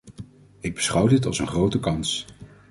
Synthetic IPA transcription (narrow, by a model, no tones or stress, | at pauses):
ɪɡ̚bəsχʌwdɪtɑ̰lˠsənχrowtəkɑns